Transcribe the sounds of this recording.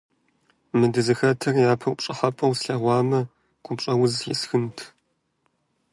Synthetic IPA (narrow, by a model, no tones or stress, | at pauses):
mɨdɨzɨxɐtʰɐrjaːpʰɐwpt͡ʃʼɨħɐpʼɐwsɬɐʁʷɑːmɐ | ɡ̥ʷʊpɕʼɐwʊzjɛ̰sxɨntʰ